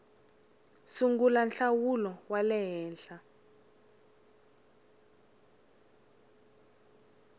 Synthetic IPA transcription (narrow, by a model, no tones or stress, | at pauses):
suŋɡulanɬawulɔwalɛɦɛːnɬa